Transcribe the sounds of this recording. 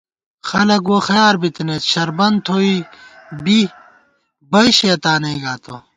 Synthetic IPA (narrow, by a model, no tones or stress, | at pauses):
xɐlɐkoːxɐjaːɾbit̪net̪ɕɐɾbɐnt̪ʰoːibi | bɐiɕeːt̪aːnɐiɡaːt̪o